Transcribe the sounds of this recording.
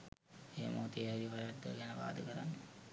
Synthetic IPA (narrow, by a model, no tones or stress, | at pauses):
eːmʔo̰t̪iad̪iʋaɾaɖːə̰ɡɛnəʋa̰ːd̪əkəɾa̰nːə